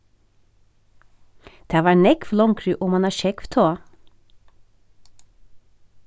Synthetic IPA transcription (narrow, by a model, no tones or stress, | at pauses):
d̪̥æːʋɑːnɛkflɔŋkʰɾʉːʔoːmɑnɑːʃɛkʋt̪ʰoː